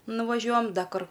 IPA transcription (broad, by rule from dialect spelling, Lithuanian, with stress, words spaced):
nʊʋɐˈʒʲuɔjɛm ˈdɐ ˈkʊr